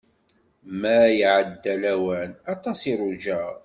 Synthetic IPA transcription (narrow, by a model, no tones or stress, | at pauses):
mæjʕəd̪ːælæwænɑt̪ˤɑsiɾˤʊd͡ʒæʁ